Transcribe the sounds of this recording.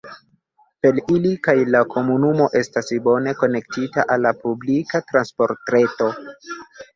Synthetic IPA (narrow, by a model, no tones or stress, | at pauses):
pe̞lilikajlakʰo̞munumo̞ʔe̞stasbo̞ne̞ko̞ne̞k̚tita̰ʔalːapublikatɾanspo̞ɾtɾe̞to̞